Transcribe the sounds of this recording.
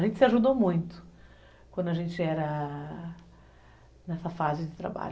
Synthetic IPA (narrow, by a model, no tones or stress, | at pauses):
ʒẽnt͡ʃɪsɪaʒud̪omũj̃t̪ʊ̥ | kʷwɐ̃d̪ʊaʒẽnt͡ʃɪɛɾɐ | nɛsɐfazɪd͡ʒɪt̪ɾa̰ba̰ʎ